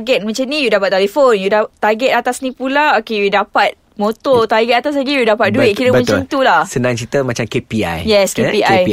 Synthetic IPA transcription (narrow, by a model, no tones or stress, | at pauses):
ɡɛt̪̚mə̃ɲt͡ʃamnĩjudapat̪̚t̪ːɛlifonjudat̪aɡɛt̪̚at̪asnĩpulaokejudapat̪̚ | mot̪ɔt̪arɡɛt̪̚at̪as̬laɡijudapat̪̚duɪʔ̚kiɾəmbəə̃ɲt͡ʃant̪ulasənãŋt͡ʃit̪əmat͡ʃamkepia̰jjɛskepiaji